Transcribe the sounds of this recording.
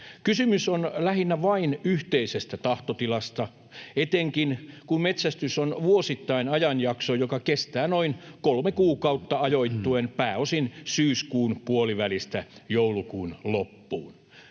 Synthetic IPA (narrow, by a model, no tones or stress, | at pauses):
kysymysonlæhinːæʋɑinyht̪eisest̪æt̪ɑht̪ot̪ilɑst̪ɑ | et̪eŋkinkummet̪sæst̪ysonʋuosit̪ːɑinɑjɑnjɑksojokɑkest̪æːnoinkolmekuːkɑut̪ːɑɑjoit̪ːuenpæːosinsyːskuːnpuoliʋælist̪æjoulukuːnlopːṵːn